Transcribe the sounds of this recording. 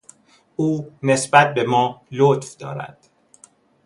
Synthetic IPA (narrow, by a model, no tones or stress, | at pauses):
ʔuːne̞sbæt̪̚be̞mɒːlot̪fd̪ɒ̰ːɾæ̰d̪̥